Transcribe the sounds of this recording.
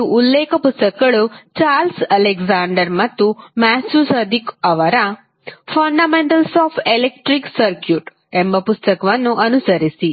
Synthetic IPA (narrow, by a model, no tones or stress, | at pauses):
uːlːeːkɐpust̪ɐkɐɐɭut͡ʃaːɾlsɐlekzaːɳɖɐɾmɐt̪ːumɛsusɐd̪ikɐʋɐɾa | pʰɐɳɖameɳʈɐlsoːpʰelekʈɾiksɐɾkjuʈ | embɐpust̪ɐkɐʋɐnːuʔɐnusɐɾisi